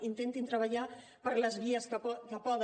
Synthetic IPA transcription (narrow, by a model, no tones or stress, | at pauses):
int̪ent̪int̪ɾəβ̞əʎa | pəɾləzβiəskkəpɔðə